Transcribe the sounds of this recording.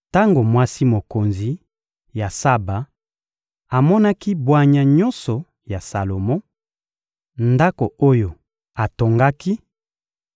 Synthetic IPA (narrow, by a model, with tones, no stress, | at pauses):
ta˦ŋɡo˨mwa˦si˦mo˨ko˨nzi˨ | ja˨sa˦ba˨ | a˨mɔ˦na˦ki˦bwa˦ɲa˨ɲɔ˦nsɔ˨ | ja˨sa˨lo˨mɔ˦ | nda˦ko˨o˦jo˨ | a˨to˨ŋɡa˦ki˦